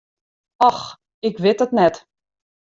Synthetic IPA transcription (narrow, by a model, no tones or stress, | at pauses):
ɔx | ɪkʋɪtətnɛt